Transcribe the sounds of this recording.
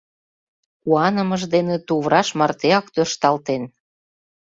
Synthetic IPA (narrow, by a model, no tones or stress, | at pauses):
kuɑnəməʒd̪enĕt̪uβɾɑʃmɑrt̪eɑkt̪ørʃt̪ɑlt̪en